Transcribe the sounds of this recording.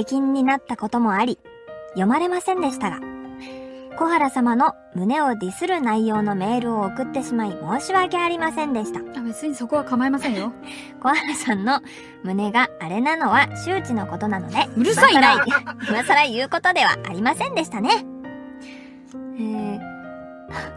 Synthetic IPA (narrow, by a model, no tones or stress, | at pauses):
ekʲĩɲ̟ːinat̪ːako̞t̪o̞mo̞aɾʲi | jo̞maɾe̞masẽ̞nd̪e̞ɕi̥t̪aɡa̰ | ko̞haɾasamano̞ | mɯ̟ne̞o̞dʲisɨɾɯ̟naijo̞ːno̞me̞ːɾɯ̟o̞ːkɯ̟t̪ːe̞ɕimaimo̞ːɕiβaːke̞aɾʲimasẽ̞nd̪e̞ɕi̥t̪aabe̞t͡sɨɲ̟iso̞ko̞βakamaemasẽɰ̃jo | ko̞haɾasãnːo̞ | mɯ̟ne̞ɡaːɾe̞nano̞βaɕɨːt͡ɕino̞ko̞t̪o̞nano̞d̪e̞ɾaaaɾaimasaɾaijɯ̟ːko̞t̪o̞d̪e̞βa̰ʔa̰ɾʲimasẽ̞nd̪e̞ɕi̥t̪ane̞ | eː